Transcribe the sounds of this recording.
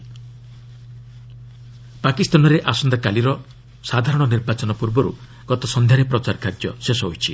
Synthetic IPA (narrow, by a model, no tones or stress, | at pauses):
pakist̪anɔɾeʔasɔnd̪akaliɾɔ | sad̪ʱaɾɔɽ̃ɔniɾbat͡ʃɔnɔpuɾbɔɾṵ | ɡ̥ɔt̪ɔsɔnd̪ʱjaɾepɾɔt͡ʃaɾkʰad͡ʒjɔsesɔɦojt͡ʃʰi